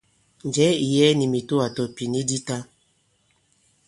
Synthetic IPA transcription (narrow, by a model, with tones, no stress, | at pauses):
n˨d͡ʒɛ˦i˨jɛ˦ni˨mi˨to˦a˨tɔ˨pi˨ni˦di˦ta˦